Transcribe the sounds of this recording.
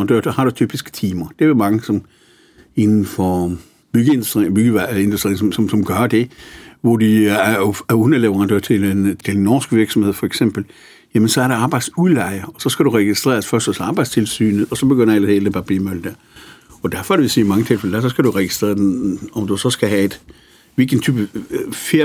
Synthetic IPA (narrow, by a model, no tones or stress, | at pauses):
ɑnd̥ø̰ɐ̰dhɑ̈ɾ̥ut͡sʰy̰ːb̥isɡ̥ə̥t͡sʰiːmɐd̥e̝ʋemɑ̈ŋəsɒ̽m | e̝nn̩fɒ | b̥yɡ̥əendusd̥b̥yɡ̥əe̝nd̥usd̥ʁḭːŋsɒmsɒ̽msɒ̽mɡ̥ɶɐd̥e̝ʋɒd̥i | ɔnɐleʋɐʁɑnd̥ø̰ɐt͡sʰe̝t͡sʰenːɒːsɡ̥ʋiɐɡ̥sɒmheð̰ˠfɒeɡ̥sem̰b̥l̩ | jæmənsɒ̽æɐɾeɑ̈ːb̥ɑ̈ɪd̥sulɑ̈ɪɐɒ̽sɒ̽sɡ̥æɾuʁɛɡ̥isd̥ʁɛ̰ːɐsfɶɐsd̥ɒsɑ̈ːb̥ɑ̈ɪdst͡sʰe̝lsy̰ːnəɒ̽sɒ̽b̥e̝ɡ̥øn̰ɐel̰seld̥epʰɑ̈b̥ḭmøl̰d̥æɐ̰ɒ̽d̥æɐfɒ̽æɾeʋesiːmɑ̈ŋət͡sʰe̝lfeləd̥æɐsɒ̽sɡ̥æɾuʁɛɡ̥isd̥ʁɛ̰ːɐd̥enɒ̽md̥usɒ̽sɡ̥æɦæe̝d̥ | ʋelɡ̥ən̩t͡sʰy̰ːb̥əfeɐ